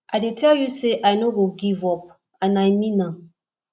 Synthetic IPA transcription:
ʔaɪdetʰɛljuseʔajnoɡoɡivɔp̚ | ãnajmĩnã

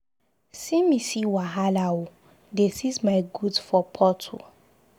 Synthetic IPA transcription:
sĩmisiwaɦalau | desizmaɪɡudfɔpʰɔtʰṵ

